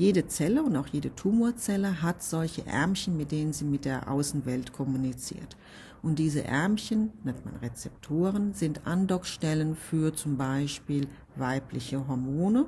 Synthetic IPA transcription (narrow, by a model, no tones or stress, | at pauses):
jeːɾət͡sɛləʊntaʊxjeːdətʰuːmoːɐt͡sɛləɦatz̥ɔlçəʔɛ̰ɐmçənmɪt̚d̥eːnənziːmɪt̚d̥eːɐʔa̰ʊsn̩vɛltkʰɔmunit͡sḭːɐt | ʔʊnt̚d̥iːzə̰ʔɛ̰ɐmçənnɛntma̰nʁet͡sɛptʰoːʁənzɪntʔandɔkʃtɛlənfyːɐt͡sʊmbaɪʃpiːl | vaɪplɪçəɦɔɐmoːnə